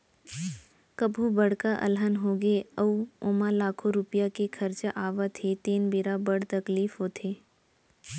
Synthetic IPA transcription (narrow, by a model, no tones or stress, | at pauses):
kəbʱubɐɽkaʔɐ̰lɦənɦoːɡeɐuoːmalaːkʰoɾʊpijakekʰɐɾt͡ʃaʔaːʋat̪ʰet̪eːnbiɾabəɽt̪ɐkliːfɦoːt̪ʰeː